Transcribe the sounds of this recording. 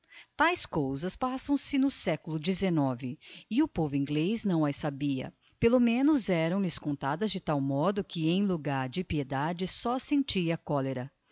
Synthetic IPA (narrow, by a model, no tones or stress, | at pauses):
t̪ajskowzɐspasɐ̃w̃sɪnʊsɛkʊlʊd͡ʒɪzenɔvɪɪʊpovʊĩŋɡleznɐ̃w̃ɛsabiɐ̰ | pelomẽnʊzɛɾɐ̃w̃lɪskõnt̪ad̪ɐzd͡ʒɪt̪awmɔd̪ʊkɪẽj̃luɡaɾd͡ʒɪpied̪ad͡ʒɪsɔsẽnt͡ʃiɐkɔleɾɐ